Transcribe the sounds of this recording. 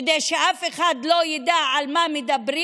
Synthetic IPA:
d̪ejʃeʔafeχad̪lojed̪aʕalmamed̪abɾi

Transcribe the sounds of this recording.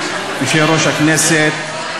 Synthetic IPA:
biʃeɾoʃhakneːset̪̚

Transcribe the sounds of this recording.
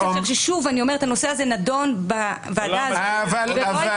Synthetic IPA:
fiʁʃeʃuvaniomeetano̞se̞azenado̞nba | vaadavalava

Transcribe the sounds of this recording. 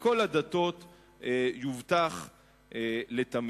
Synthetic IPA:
ko̞lad̪at̪o̞t̪ | juvt̪aχ | let̪am

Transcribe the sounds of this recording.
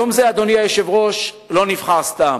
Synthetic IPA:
omzead̪o̞niajeʃevʁo̞ʃ | lo̞niv̥χaʁst̪am

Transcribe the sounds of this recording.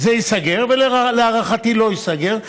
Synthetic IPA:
zeisaɡe̞ʁvelleaʁaχat̪ilo̞isaɡe̞ʁ

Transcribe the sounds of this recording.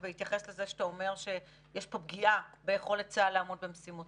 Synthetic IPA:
vehit̪jaχe̞slezeʃet̪aomeʁʃe̞ | jeʃpo̞b̚ɡiʔabejeχo̞let̚t͡salaːmod̪bemsimut

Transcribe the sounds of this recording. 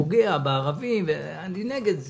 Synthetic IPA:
oɡeabeːʁavimve | anineɡed̪z

